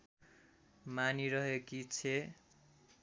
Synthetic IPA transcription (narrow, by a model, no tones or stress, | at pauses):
maniɾʌɦekit͡sʰe